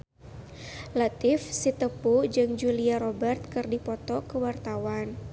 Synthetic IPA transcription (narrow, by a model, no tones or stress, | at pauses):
lat̪ɪfsit̪əpud͡ʒɨŋd͡ʒuliaɾɔbɛrt̪̚kɨrdipɔt̪ɔkəwart̪awan